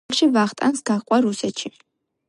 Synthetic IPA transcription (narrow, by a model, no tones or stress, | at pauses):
χʃivaχt̪ʼansɡaχqʼwaɾusɛt̪ʃi